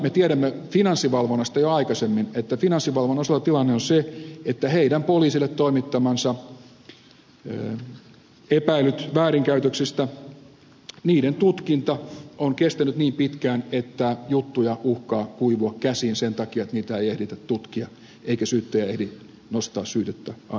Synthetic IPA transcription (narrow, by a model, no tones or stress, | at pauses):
met̪iæɾæmːefinɑnsːiʋɑlʋonːɑst̪ɑjoɑikɑsemːinet̪ːæfinɑnsːiʋɑlʋonːɑselːɑt̪ilɑnːeonseet̪ːæheidæmpoliːsilːet̪t̪oimit̪ːɑmɑnsɑ | epæilyt̪ʋæːɾiŋkæyt̪øksist̪æ | niːdent̪ut̪kint̪ɑoŋkest̪ænyt̪niːmpit̪kæːnet̪ːæjut̪ːujɑuhkɑːkuiʋuɑkkæsiːnsent̪ɑkiɑet̪niːt̪æeijehdit̪æt̪t̪ut̪kiɑ | eikæsyːt̪ːøjæehdi | nost̪ɑ̰ːssyːt̪et̪ːæɑ